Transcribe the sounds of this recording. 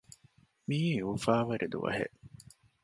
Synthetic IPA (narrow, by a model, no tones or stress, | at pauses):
miːeuːfaːʋɐɾʔed̪ṵʋɐ̰ɦḛʔ